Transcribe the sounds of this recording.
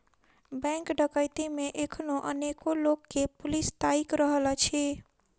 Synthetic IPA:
bɛ̃ŋkɖəkəjt̪imeʔekʰnoʔənekolokːepulist̪aikɾəɦlət͡ʃʰi

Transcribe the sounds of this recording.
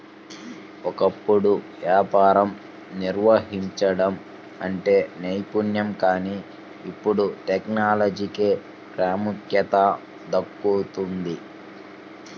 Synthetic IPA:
ɔkɐpːuɽuʋjaːpaːɾɐm | niɾʋɐɦiɲt͡ʃɐɽɐm | ɐɳʈe̞ːnejpunjɐmkaːniː | pːuɽuʈeknaːlɐd͡ʒikeː | pɾaːmukjɐt̪ɐ | d̪ɐkːut̪und̪i

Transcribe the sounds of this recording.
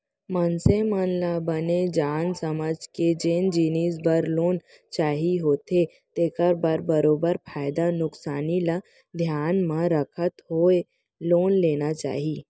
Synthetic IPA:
mənsemənlabəned͡ʒaːnsəməd͡ʒked͡ʒeːnd͡ʒiːniːsbəɾloːn | t͡ʃaːɦiɦoːt̪e | t̪eːkəɾbəɾbɐɾoːbəɾpʰaːɪd̪anʊksaːnila | d̪ʱjaːnmãɾəkʰət̪ɦoe | loːnleːnat͡ʃa̰ːɦiː

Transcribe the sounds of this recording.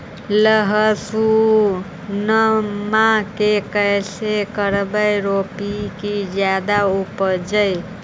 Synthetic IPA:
ləɦəsu | nəmakekəjsekəɾbəjɾopikid͡ʒjad̪aupəd͡ʒəj

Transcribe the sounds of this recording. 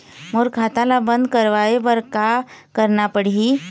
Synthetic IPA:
moɾkʰat̪alabə̃nd̪̚kəɾʋaebəɾkakəɾnapəɽ̤ii

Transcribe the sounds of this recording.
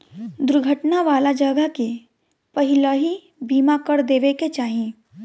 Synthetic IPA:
d̪ʊɾɡʱəʈnaʋaːlad͡ʒɐɡəke | pɐɦɪlaɦi | biːmakəɾd̪eːʋeket͡ʃaːɦiẽː

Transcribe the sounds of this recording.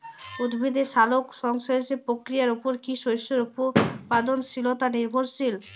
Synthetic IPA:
ud̪bʱid̪eʃalokʃɔŋʃoeʃepɾokɾijaɾupoɾkiʃojʃoɾupopad̪onʃilot̪aniɾbʱoɾʃil

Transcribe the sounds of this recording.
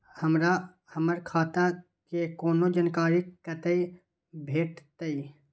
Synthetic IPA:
həmɾa | həməɾkʰaːt̪a | kekoːnod͡ʒənkaːɾikət̪əi | bʱeːʈt̪əi

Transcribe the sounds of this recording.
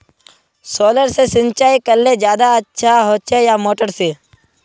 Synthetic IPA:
soːləɾsesɪ̃nt͡ʃaːikəlled͡ʒjaːd̪aətːʃʰaɦoːt͡ʃejamoːʈəɾseː

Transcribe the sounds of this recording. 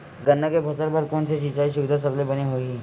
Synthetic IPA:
ɡɐnːakebʱɐsəɾbəɾkoːnseʃit͡ʃaiʃʊʋɪd̪ʱasɐblebɐneɦoiiː

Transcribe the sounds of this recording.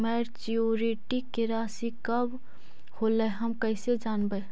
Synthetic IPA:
mɐɾt͡ʃijoːɾiʈikɪɾaːsikɐb | hoːləjɦɐmkəsed͡ʒaːnbə

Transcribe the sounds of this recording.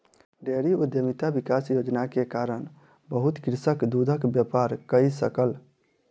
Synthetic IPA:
ɖeɾiud̪jəmit̪abikasjod͡ʒnakekaɾən | bəɦut̪kɾisəkd̪ud̪ʱəkbjəpaɾkəisəkəl

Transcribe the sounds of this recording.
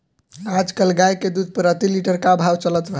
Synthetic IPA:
ɾad͡ʒkəlɡajked̪ud̪̚ʱpəɾət̪iliʈəɾkabʱawt͡ʃələt̪bʱə

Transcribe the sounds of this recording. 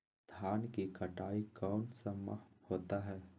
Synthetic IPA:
d̪̥ʱjaːnkikɐʈaːikɔːnsɐmːa̰hoːt̪aɦɛː

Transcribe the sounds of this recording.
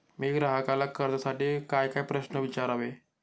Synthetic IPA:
miːɡɾaɦakaləkːəɾd̪əsaʈiːkajkaipɾəɕnəʋit͡ɕaɾaʋe

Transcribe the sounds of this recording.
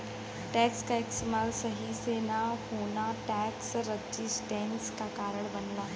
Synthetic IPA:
ʈɛkskaeksmalsəɦisenahoɳaʈɛksɾəd͡ʑisʈɛ̃ŋskakaɾəɳbənla

